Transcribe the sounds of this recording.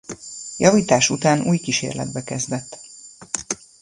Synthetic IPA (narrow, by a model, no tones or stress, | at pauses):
jɒviːt̪aːʃut̪aːnṵːjkiʃḛːrlɛ̰d̪̚bɛkɛzd̪ɛt̪ː